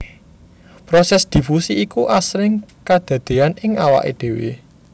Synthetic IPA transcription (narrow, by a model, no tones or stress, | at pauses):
pɾɔsɛsd̪̥i̤fusiʔikuʔasɾɪŋkad̪̥ä̤d̪̥e̤anɪŋawa̰ʔed̪̥e̤wḛ